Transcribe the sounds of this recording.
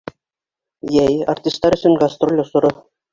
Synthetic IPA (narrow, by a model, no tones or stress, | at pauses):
jæja̰rt̪ʲist̪ːɑɾɘ̆sʲɘ̆nɡast̪rolʲosŭɾɤ̆